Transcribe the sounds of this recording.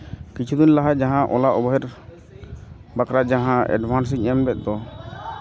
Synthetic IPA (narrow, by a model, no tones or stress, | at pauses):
kit͡ʃʰud̪inlaɦad͡ʒaɦãʔɔlaʔɔbɔɦɛɾ | bakɾad͡ʒaɦãɛ̰ɖbʱans̬iɛmbɛt̪̚d̪ɔ